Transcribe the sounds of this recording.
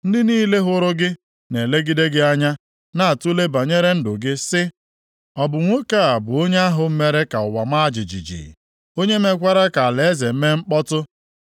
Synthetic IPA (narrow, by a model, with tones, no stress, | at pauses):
n̩˦dɪ˦niː˦le˦ɦʊ˦ɾʊ˦ɡɪ˦ | ne˨le˦ɡi˦de˦ɡɪ˦a˦ɲa˦ | na˦a˨tʊ˦le˦ba˨ɲe˦ɾe˦n̩˦dʊ˨ɡɪ˦sɪ˦ | ɔ˨bʊ˨ŋʷo˦ka˦˨a˨bʊ˨o˦ɲe˦a˦ɦʊ˨m̩˦me˦ɾe˦ka˨ʊ˨wa˨ma˦a˦d͡ʒɪ˨d͡ʒḭ˨d͡ʒḭ˨ | o˦ɲe˦me˦kʷa˦ɾa˦ka˨a˨le˨e˦ze˨m̩˦me˦ŋ͡m̩˦k͡pɔ˦tʊ˦